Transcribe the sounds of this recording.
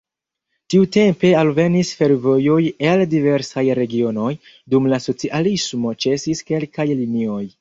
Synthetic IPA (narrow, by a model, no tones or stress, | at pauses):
tiute̞mpe̞alve̞nisfe̞ɾvo̞jo̞jeldive̞ɾsajɾe̞ɡio̞no̞j | dumlaso̞t͡siʔalismo̞t͡ʃe̞siske̞lkajlinio̞j